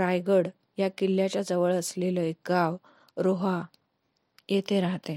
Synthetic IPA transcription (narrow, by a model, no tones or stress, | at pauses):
ɾajɡəɽ | jakilːjat͡ɕjad͡zəʋəɭəsleləek̚ɡaʋ | ɾoɦa | jet̪ʰeɾaɦt̪e